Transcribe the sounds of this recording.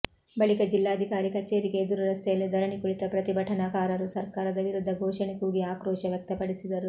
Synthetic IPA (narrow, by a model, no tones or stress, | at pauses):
bɐɭikɐd͡ʒilːaːd̪ʱikaːɾikɐt͡ʃːeːɾikeːd̪uɾuɾɐst̪ʰɐjɐlːed̪ʱɐɾɐɳikuɭit̪ɐpɾɐt̪ibʱɐʈʰɐnaːkaːɾɐɾusɐɾkaːɾɐd̪ɐʋiɾud̪ʱːɐɡʱɔːʃɐnekuːɡiaːkɾɔːʃɐʋjɐk̚t̪ɐpɐɽisid̪ɐɾu